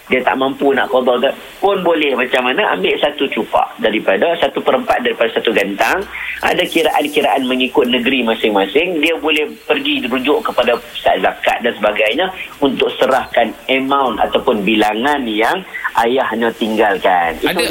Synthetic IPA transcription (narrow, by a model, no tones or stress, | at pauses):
diat̪a̰ʔmãmpuna̰ʔkɔdɔrka | pʊnbolɛhmat͡ʃamːanaʔa̰mbɪʔsat̪ut͡ʃupa̰ʔdaɾipadasat̪upəɾəmpat̪̚daɾipadasat̪uɡant̪aŋʔa̰dakiɾaʔankiɾaʔanməŋikʊt̪̚nəɡəɾimãsɪŋmasɪŋdiabolɛhpərɡidiɾud͡ʒʊʔkəpadapi̥sa̰ʔzaka̰t̪̚dansəbaɡajɲaunt̪ʊk̚səɾahkanəmãwna̰t̪awpʊnbilaŋanjaŋʔajahɲat̪iŋɡalkanit̪u